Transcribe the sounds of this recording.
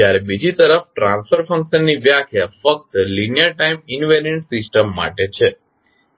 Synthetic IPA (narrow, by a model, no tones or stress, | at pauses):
jaɾebid͡ʒit̪əɾəfʈɾãnspʰəɾfʰə̃ŋkʃənːiʋjakʰjafək̚t̪linijaʈaiminʋeɾeɳʈsɪsʈəmːa̰ʈet͡ʃʰe